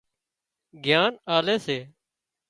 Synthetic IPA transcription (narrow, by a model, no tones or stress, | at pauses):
ɡʱjaːnaːleːseː